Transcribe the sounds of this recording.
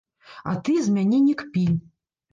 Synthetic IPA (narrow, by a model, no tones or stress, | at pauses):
a̰t̪ɨzʲmʲanʲɛnʲikpʲilʲ